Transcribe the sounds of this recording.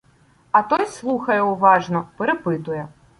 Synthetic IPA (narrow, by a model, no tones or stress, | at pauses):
ɐt̪ɔjslˠuxɐjɛwvaʐnɔpɛɾɛpɨt̪ujɛ